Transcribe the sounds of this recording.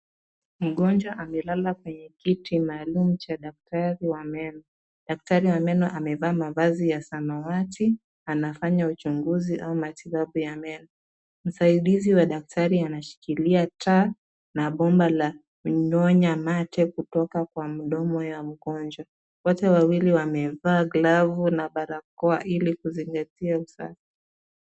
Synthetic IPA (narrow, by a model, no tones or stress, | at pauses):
m̩ɠɔnd͡ʒwaʔamɛlalakwɛɲɛkitimaːlumut͡ʃaɗak̚taɾiwamɛnɔ | ɗak̚taɾiwamɛnɔʔamɛvaːmavazijasanawati | anafaɲaut͡ʃuŋɡuziʔaumatiɓaɓujamɛnɔ | m̩saiɗiziwaɗak̚taɾianaʃi̥kiliatʰa | naɓɔmbala | mɲɔɲamatɛkutɔkakwam̩ɗɔmɔjam̩ɠɔnd͡ʒwa | wɔtɛwawiliwamɛvaːɡlavunaɓaɾakɔaʔilikuziŋɡatiausa̰fi̥